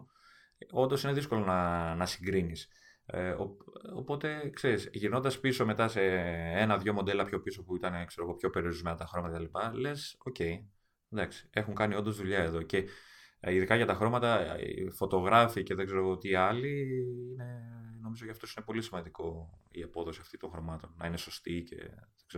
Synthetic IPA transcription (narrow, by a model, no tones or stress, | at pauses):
o̞nd̪o̞sine̞ðisko̞lo̞nɐnɐsiŋɡɾinis | o̰o̰po̞t̪e̞kse̞ɾisʝiɾno̞nd̪ɐspiso̞me̞t̪ɐse̞enɐðʝo̞mo̞nd̪e̞lɐpço̞piso̞puit̪ɐnekse̞ɾo̞ɣo̞pço̞pe̞ɾioɾizme̞nɐt̪ɐxɾo̞mɐt̪ɐet̪ɐlipɐle̞so̞ce̞j | d̪ɐksi̥e̞xuŋkɐnio̞nd̪o̞zðuʎɐe̞ðo̞ce̞iðikɐʝɐt̪ɐxɾo̞mɐt̪ɐḭfo̞t̪o̞ɣɾɐfice̞ðeɡze̞ɾo̞ɣot̪iɐliine̞no̞mizo̞t̪iɐft̪o̞sine̞po̞lisimɐnd̪iko̞iɐpo̞ðo̞siɐft̪it̪o̞ŋxɾo̞mɐt̪o̞nːɐine̞so̞st̪ice̞̰ðeɡz̥e